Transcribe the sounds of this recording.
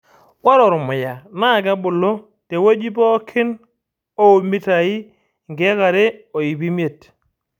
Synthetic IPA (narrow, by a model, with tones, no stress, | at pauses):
wa˦ɾɔ˨ɾʊ˨mʊ˨ja˨na˦˨k̬a˦bʊ˨lo˦ | te˨wo˦d͡ʒi˦pɔ˦kʰɪ˦n | o˦˨mi˦ta˨i˦ | ŋɡe˦ka˨ɾe˦o˨i˨bi˦mje˨t